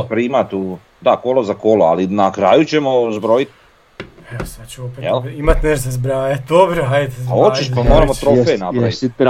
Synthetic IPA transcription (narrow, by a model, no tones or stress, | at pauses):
pɾimat̪u | d̪akolozakoloa̰linakɾaːjut͡ɕemozbɾo̞jit̪ | jasat͡ʃuopejḛlimat̪neɾzezbɾaːjad̪obɾoɦajaot͡ʃiʃpamoɾamot̪ɾofenapaʋit